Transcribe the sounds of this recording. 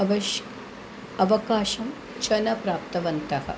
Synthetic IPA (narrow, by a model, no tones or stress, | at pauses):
ɐʋɐʃ | ɐʋɐkaːʃɐm | t͡ʃɐnɐpɾaːp̚t̪ɐʋɐnt̪ɐhɐ̰